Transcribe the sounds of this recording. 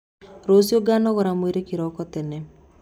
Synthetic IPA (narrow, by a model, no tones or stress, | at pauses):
ɾosioɡaːnɔɣɔɾamweɾekiɾɔkɔtɛnɛ